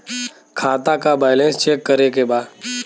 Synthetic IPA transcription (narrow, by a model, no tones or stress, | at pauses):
kʰaːt̪akabaːɪlẽnst͡ʃeːkːəɾekebaːd̪